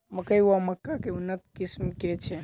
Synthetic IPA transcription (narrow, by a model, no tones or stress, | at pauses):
məkəjuaməkːakeunːət̪̚kismket͡ʃʰɛ